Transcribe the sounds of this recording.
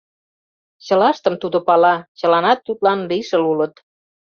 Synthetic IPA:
ɕə̆lɑʃt̪əmt̪ud̪opɑlɑt͡ɕə̆lɑnɑt̪ːut̪lɑnliʃəlulət̪

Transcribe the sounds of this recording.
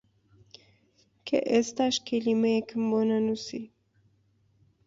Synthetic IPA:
kʰḛʔest̪aʃkʰelimekʰəmbonanusi

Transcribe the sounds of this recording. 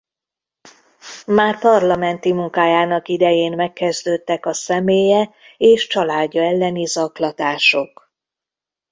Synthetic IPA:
maːrpɒrlɒmɛnt̪imuŋkaːjaːnɒkid̪ɛjeːnmɛkːɛzd̪øːt̪ːɛkɒsɛmeːjɛeːʃt͡ʃɒlaːɟːɒɛlːɛnizɒklɒt̪aːʃo̞k

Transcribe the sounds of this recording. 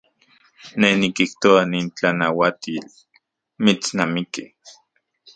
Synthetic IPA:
nenikiht̪oaniːnt͡ɬanawat̪iːl | mit͡snamiki

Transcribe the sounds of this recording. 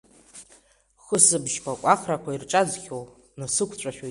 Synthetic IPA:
χəsɨbʒpʷʰakʷʼaχrakʷʰairʈ͡ʂʼad͡zχʲow | nɨsɨkʷʰt͡ʃʷʼaʃᶣo

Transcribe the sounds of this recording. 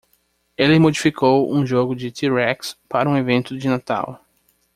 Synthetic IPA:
elɪmod͡ʒifikʰowṵ̃ʒoɡʊd͡ʒɪt̪iɾɛkspaɾɐũevẽnt̪ʊd͡ʒɪnat̪a̰w

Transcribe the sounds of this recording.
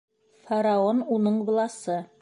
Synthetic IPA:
fɐɾaonunɤɴɡlˠɑsɤ

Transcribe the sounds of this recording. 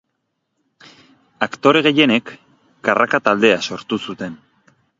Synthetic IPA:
akt̪o̞ɾe̞ɣ̞e̞je̞ne̞kː | arakat̪ald̪e̞aso̞ɾt̪usut̪e̞n

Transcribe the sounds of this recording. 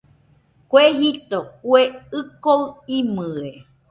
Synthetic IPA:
kweɦit̪okweɨkoɨimɨe

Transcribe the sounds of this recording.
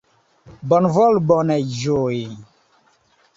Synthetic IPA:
bɔnvɔlbɔnɛʒoi

